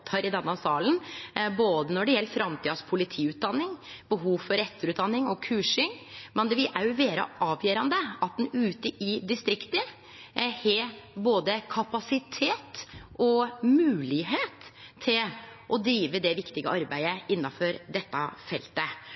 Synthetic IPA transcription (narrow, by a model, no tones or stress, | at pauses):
t̪ʰːɑːɾɪd̪ɛnːɑsɑːlənboːd̪ənɔɖɛjɛlːəfɾɑmt̪ʰiːɑspʰʊlɪt̪ʰiːʉːt̪̚d̪ɑnːɪŋbəɦuːʋfɔɾɛt̪ːəɾʉːt̪̚d̪ɑnːɪŋɔkʰʉːʂɪŋmɛnd̪ɛʋɪlʔæɾjʊʋeːɾə̰ʔɑːʋjœːɾɑnd̪əɑt̪̚d̪ɛnʉːt̪əʔɪd̪ɪst̪ɾɪkt̪ə | hɛboːd̪əkʰɑpɑsɪt̪ʰeːt̪ʔɔmʉːlɪɦeːt̪ʰːɪlʔɔd̪ɾiːʋəd̪ɛʋɪkt̪ɪɡəʔɑɾbæɪəɪnːɑfɔɾd̪ɛt̪ːɑfɛlt̪ə